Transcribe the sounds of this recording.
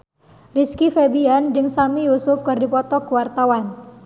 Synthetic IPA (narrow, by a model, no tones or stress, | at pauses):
riskifebiand͡ʒəŋsamijusʊfkɨrdipɔt̪ɔkuwart̪awan